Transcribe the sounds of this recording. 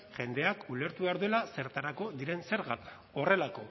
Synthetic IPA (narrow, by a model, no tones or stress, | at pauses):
ʝe̞nd̪e̞akuleɾt̪uβe̞aɾðue̞lase̞ɾt̪aɾako̞ðiɾe̞nse̞ɾɣat | o̞re̞lako̞